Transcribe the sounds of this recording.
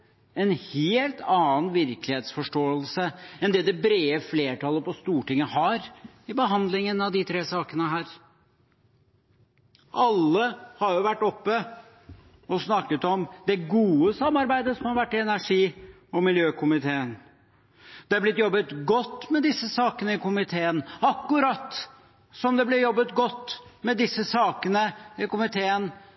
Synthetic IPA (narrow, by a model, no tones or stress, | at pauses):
ɛnheːlt̪ʰɑːnʋɪɾklɪheːt̪sfɔʂʈoːəlsəɛnd̪ɛd̪ɛbɾeːəfleːʈʰɑlːəpɔst̪uːʈɪŋːəhɑɾ | ɪbəɦɑnd̪lɪŋənɑʋd̪ɪt̪ʰɾeːsɑːkənəɦæːɾ | ʔɑlːəhɑɾjʊʋæʈːɔpːə | ɔsnɑkːət̪ɔmd̪ɛɡuːəsɑmːɑɾbæɪd̪əsɔmhɑɾʋæʈːɪɛnæʂiː | ɔmɪljøːkʰʊmɪt̪ʰeːən | d̪̥ɛæɾblɪt̪jɔbːət̪ɡɔt̪ːmɛd̪ɪsːəsɑːkənəɪkʊmɪt̪ʰeːənɑkːʉɾɑt̪ː | sɔmd̪ɛblɪɾjɔbːət̪ɡɔt̪ːmɛd̪ɪsəsɑːkənəɪkʊmɪt̪ʰeːən